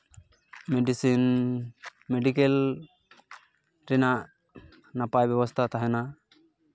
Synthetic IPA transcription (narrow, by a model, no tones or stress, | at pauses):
mɛɖisin | mɛɖikɛl | ɾɛnaʔ | napajbɛbɔst̪ʰat̪aɦɛna